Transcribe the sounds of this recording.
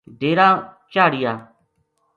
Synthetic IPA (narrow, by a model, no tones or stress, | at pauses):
ɖeːɾãːt͡ʃaːɽɪjaː